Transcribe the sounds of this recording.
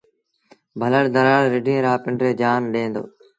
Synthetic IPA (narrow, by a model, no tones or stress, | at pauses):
bʱələɽd̪əɾaːɽːɪɖʱẽːɾaːpɪɳɖɾeːd͡ʒaːnɗẽːnd̪o̰ː